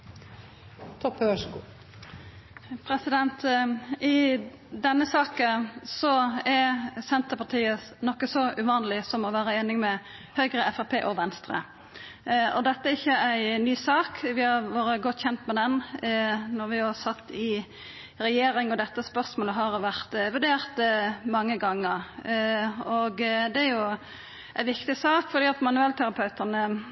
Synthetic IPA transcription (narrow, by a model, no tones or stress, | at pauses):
t̪ʰɔpːəœʂɡuː | pʰɾɛsɪd̪ɛnt̪ɪ | d̪ɛnːəsɑːkənsɔɛɾsɛnt̪əpɑt̪ʰiːənɔkːəsɔʔʉʋɑːnəlɪsɔmɔʋæːɾəeːnɪŋmɛ | hœʏɡɾəʔɛfæpʰḛːʔɔʋɛnst̪ɾə̰ | ɔd̪ɛt̪ːəæɾɪçːəæɪnyːsɑːkʋɪhɑɾʋoːɾəɡɔt̪ːçɛnt̪mɛd̪ɛn | nɔɾʋɪhɑsɑt̪ːɪ | ɾɛjeːɾɪŋɔd̪ɛt̪ːəspœʁsmoːləɦɑɾʋæʁt̪ʋʉʁd̪eːɾt̪mɑŋːəɡɑŋːəɾ | ɔɡd̪ɛæɾjʊ | ʔæɪʋɪkt̪ɪsɑːkfɔɾd̪iːɑt̪mɑnʉɛlt̪ʰæɾɑpʰœʉt̪ənə